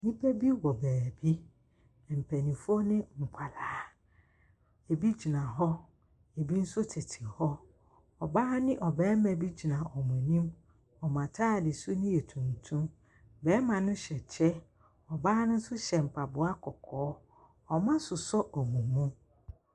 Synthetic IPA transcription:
nĩ˦pʰɛ˦bi˦wɔ˨bæː˨bi˦˨ | m̩˨pʰæ˨nĩ˨fɔ˦nɪ̃˦ŋ̩˨kʰʷa˨laː˨˦˨ | e˨bi˦d͡ʑi˨nã˨ɦɔ˦ | e˨bi˦n̩˦sʊ˦tʰɪ˨tʰɪ˨hɔ˦ | ɔ˨baː˦nɪ̃˦ʔɔ˨bɛː˨˦mɛ̃˨bi˦d͡ʑi˨nã˨ʔɔ˨mʊ̃˨nĩ˦m | ɔ˨mã˨tʰaː˦˨dɪ˨sʊ˦nʊ̃˦jɛ˨tʰũ˨n˨tʰũ˦m | bɛː˦mã˨nʊ̃˦ɕɛ˨t͡ɕʰɛ˦ | ɔ˨baː˦nʊ̃˦n̩˦sʊ˦ɕɛ˨m̩˨pʰa˨bʊ˨a˦kʰɔ˨kʰɔː˨˦ | ɔ˨mã˦sʊ˨sɔ˦ʔɔ˨mũ˨mũ˦

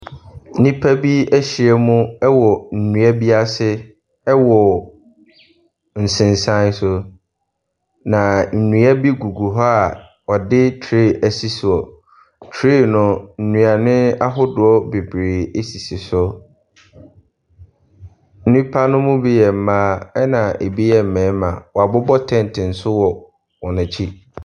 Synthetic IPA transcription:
nĩ˦pʰa˦bi˦æ˦ɕi˨ɛ˦mʊ̃˦ɛ˦wɔ˨n̩˨nũ˨a˦bi˦a˦sɪ˦ | ɛ˦wɔ˨ | n̩˨sɪ̃˨n˨sã˦n˦sʊ˦ | nã˨n̩˨nũ˨˦a˦bi˦ɡu˨ɡu˨ɦɔ˦a˨ | ɔ˨dɪ˦tʰɾe˦˨ʔæ˨si˦si˨ɔ˨ | tʰɾiː˦˨nʊ̃˨n̩˨nũ˨a˨nɪ̃˦a˦ɦʊ˦dʊ˨˦ɔ˦be˨bɾeː˨e˦si˨sɪ˨sʊ˦ | n̩˦nĩ˦pʰa˦nʊ̃˦mʊ̃˦bi˦jɛ˨m̩˦˨mãː˦ɛ˦nã˨ʔe˨bi˦jɛ˨m̩˨mɛ̃ː˨˦mã̰˨wɔ˨a˨bʊ˦bɔ˦tʰɛ̃˦n˨tʰɪ̃˨n̩˨sʊ˦wɔ˨ | wɔ˨nʊ̃˨t͡ɕʰi˦

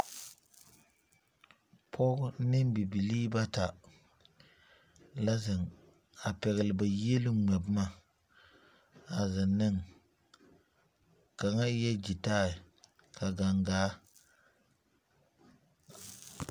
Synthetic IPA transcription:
pʰɔ˦ɡʊ˦nɪ˦mbi˨bi˨liː˦ba˦ta˨ | la˦zɪ˨ŋ | a˨pɛ˨ɣɪ˨lɪ˨ba˨je˦lɪ˦ŋ͡mɛ˨bma˦˨ | a˨zɪ˨nːɪ˦ŋ | ka˨ŋa˦jɛ˦d͡ʒi˨taː˦˨ɪ˨ | kʰa˨ɡa˨ŋɡaː˨˦

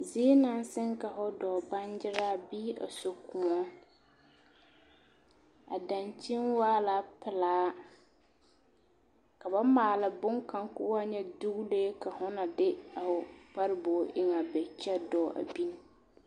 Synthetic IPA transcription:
ze˦e˦na˨˦n˦sɪ˦ŋka˨ɦʊ˦dɔː˨ba˦n˦d͡ʒɪ˦ɾaː˦biː˦a̰˨so˨kʊ˨ɔ˦ | a̰˨da˨nt͡ʃi˦nwaː˦la˨pɪ˨laː˨˦ | ka˨ba˦maː˨lɪ˨bʊ˦ŋka˦ŋkʊ˦wa˦ɲɛ˦du˦ɣleː˦ka˨hʊ˦na˨dɪ˦a˨fʊ˨pa˦ɾɪ˦bɔː˨ʔɪ˦ŋa˨bɛ˨t͡ʃɛ˦dɔ˨ʔa̰˨bi˦n˦

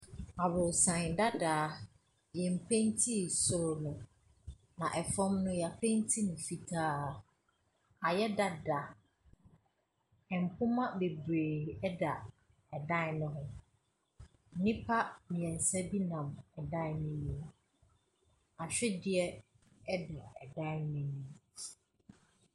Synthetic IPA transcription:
a˨bʊ˨sã˨nda˦daː˨˦ | jɛ˨m̩˨pʰɛ̃˦n˦tʰi˦˨sʊ˦ɾnʊ̃˨ | nã˨ʔɛ˨fɔ̃˦mnʊ̃˦ja˨pʰɛ̃˦n˦tʰi˦nʊ̃˨fi˨tʰaː˦˨ | a˨jɛ˦da˦da˨ | ɛ˨m̩˨pʰʊ̃˦mã˦be˨bɾeː˨ɛ˦da˨ | ɛ˨dã˦˨nʊ̃˦ɦʊ̃˦˨ | nĩ˦pʰa˦mĩ˨ɛ̃˨n˨sɛ˦bi˦nã˨mɛ˨dã˦˨nɪ̃˦nĩ˨ | a˨ɕᶣɛ˦dɪ˨ɛ˦ | ɛ˦da˨ɛ˨dã˦nɪ̃˦nĩ˨

